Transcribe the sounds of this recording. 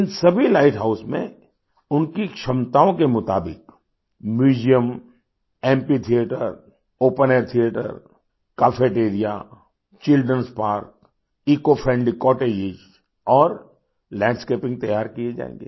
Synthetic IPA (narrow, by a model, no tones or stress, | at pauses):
ɪnsɐbʱilaːɪʈʰɦaːʊsmḛ̃ | ʊnkikʃɐmt̪aːõkemʊt̪a̰ːbɪ̰k | mjuːd͡ʒijəm | ɛ̃ːmpit̪ʰijeːʈə̰ɾ | oːpəneːɾt̪ʰijeːʈə̰ɾ | kaːfʰeːʈeːɾija̰ | t͡ʃɪlɖɾənspaːɾk̚ | iːkopʰɾɛ̃ɳɖikɔːʈeːd͡ʒɪd͡ʒ | ɔːɾ | lɛ̃ːɖskeːpɪ̃ŋɡ̚t̪ɐjaːɾkied͡ʒa̰ːḛ̃ːŋɡḛː